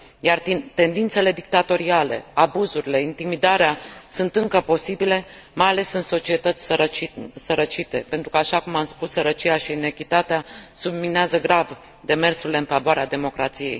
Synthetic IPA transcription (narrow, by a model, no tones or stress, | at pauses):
jarit̪e̞nd̪int̪se̞le̞d̪ik̚t̪at̪o̞ɾiale̞̰abuzuɾile̞int̪imid̪aɾeasunt̪ɨŋkəpo̞sibile̞ | majale̞sɨnso̞t͡ʃie̞t̪ət̪sʲ | səɾət͡ʃit̪e̞pent̪ɾukəaʃakumamspusːəɾət͡ʃijaʃiːne̞kʲit̪at̪easubmineazəɡɾav | d̪e̞me̞rsuɾile̞ɨnfavoaɾead̪e̞mo̞kɾat̪sije̞̰j